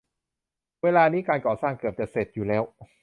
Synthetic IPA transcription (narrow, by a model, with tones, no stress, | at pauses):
weː˧laː˧niː˦˥kaː˧nkɔː˨˩saː˥˩ŋkɯ˨əp̚t͡ɕɛ˨˩se˨˩t̪̚juː˨˩lɛː˦˥w